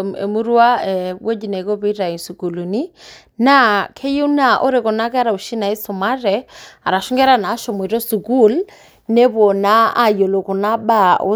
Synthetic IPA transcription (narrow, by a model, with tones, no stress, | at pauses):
ḛ˨mu˦ɾu˦a˦ɛwe˦d͡ʒi˨nɛ˨kɔ˦βi˦ɾa˨i˨nsu˨ku˨lu˨ni˦ | na˦kʰɛ˦ju˦na˨ʔɔ˦ɾɛ˨kɔ˨na˦kɛ˦a˦ɾa˨u˨ʃi˦na˨i˦sɔ˨ma˦rɛa̰˨ɾa˨ʃɔ˦ŋɡɛ˦ɾa˨na˨˦ʃɔ˨m˨i˨ɾɔ˦su˨ku˦˨l | nɛ˦βɔ˨na˦a˨jɔ˨lɔ˨kɔ˨na˦ɓa˦ʔo̰˦